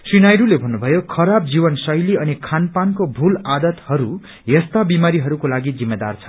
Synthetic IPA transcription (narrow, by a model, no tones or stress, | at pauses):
srinajɾulebʱʌnːubʱʌjokʰʌɾab̚d͡zibʌnsʌjliʌnikʰanpankobʱulad̪ʌt̪hʌɾu | jʌst̪abimaɾiɦʌɾukolaɡid͡zimːed̪a̰rt͡sʰʌ̥